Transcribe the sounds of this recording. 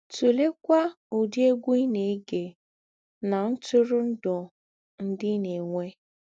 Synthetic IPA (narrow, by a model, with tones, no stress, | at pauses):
tu˨le˦kʷa˦ | u˨di˦e˦ɡʷu˦i˦ne˨˦ɡe˨ | na˨n̩˦tʊ˦ɾʊ˦n̩˦dʊ˨ | n̩˦dɪ˦ne˨ŋʷe˦